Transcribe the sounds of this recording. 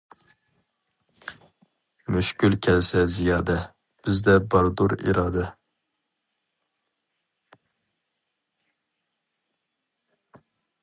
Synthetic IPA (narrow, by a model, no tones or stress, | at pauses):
myʃkʲylkʲʰɛlsɛzijɑːd̪ɛ | b̥ɪzd̪ɛbɑɾd̪uɾḭɾɑːd̪ɛ